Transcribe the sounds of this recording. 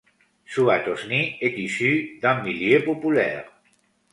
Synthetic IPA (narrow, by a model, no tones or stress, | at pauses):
suat̪osniet̪isyd̪ãmːiljepopulɛ̰ʁ